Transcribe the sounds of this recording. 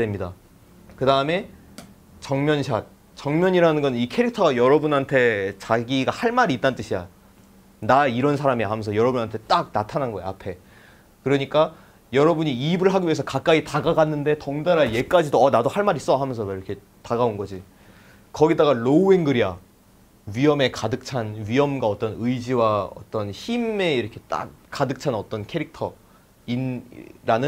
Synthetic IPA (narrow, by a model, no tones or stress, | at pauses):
emɲida̰ | kɯdaɯme̞ | t͡ɕʌŋmjʌnɕʰat̚ | t͡ɕʌŋmjʌɲiɾanɯnɡʌnɯnikʰe̞ɾik̚tʰʌɡajʌɾʌbunantʰe̞t͡ɕaɡiɡahaɭmaɾit͈ant͈ɯɕʰija̰ | naiɾʌns̬ʰaɾamiɦamʌnsʰʌjʌɾʌbunantʰe̞t͈ak̚natʰananɡʌjḛa̰pʰe̞ | kɯɾʌɲik͈a | jʌɾʌbuɲiibɯɭɦaɡiɥie̞s̬ʰʌkak̚k͈aitaɡaɡanːɯnde̞tʌŋdaɾaje̞k͈ad͡ʑidoʌnadohaɭmaɾis͈ʌɦamjʌnsʰʌiɾʌkʰe̞ | taɡaonɡʌd͡ʑi | kʌɡidaɡaɭoueŋɡɯɾia | ɥiʌme̞kadɯk̚t͡ɕʰanɥiʌmɡwaʌt͈ʌnɯid͡ʑiwaʌ̰t͈ʌnçime̞iɾʌkʰe̞t͈a̰k̚k͈adɯk̚t͡ɕʰanʌt͈ʌnkʰe̞ɾik̚tʰʌ | inɾanɯn